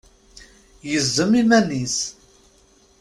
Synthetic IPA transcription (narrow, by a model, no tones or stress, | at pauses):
jəzːəmimænis